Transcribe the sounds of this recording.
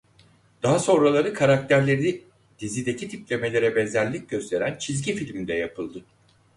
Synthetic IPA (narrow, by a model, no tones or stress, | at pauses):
d̪̥aɦaso̞nɾalˠaɾɯkʰaɾak̚t̪ʰæɾlʲe̞ɾi | d̪̥izid̪e̞cʰit̪ʰiplʲe̞me̞lʲe̞ɾɛbɛnzæɾlʲic̚ɟø̞st̪ʰe̞ɾænt͡ʃʰizɟifilʲmind̪ɛjapʰɯlˠd̪ɯ